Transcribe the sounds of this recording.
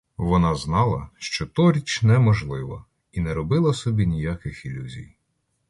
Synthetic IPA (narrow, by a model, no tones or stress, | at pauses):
ʋɔnɑznɑlˠɐ̰ʃt͡ʃɔt̪ɔɾʲit͡ʃnɛmɔʒlˠɪʋɐ̰ | inɛɾɔbɪlˠɐsɔbʲinʲijakɪxilʲuzʲḭj